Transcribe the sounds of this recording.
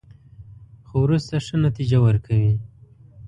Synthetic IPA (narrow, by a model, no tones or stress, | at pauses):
xowɾust̪aʂənat̪id͡ʒawəɾkʰawi